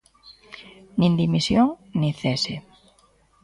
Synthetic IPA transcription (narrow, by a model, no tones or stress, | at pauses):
nĩnd̪imisjoŋnĩθese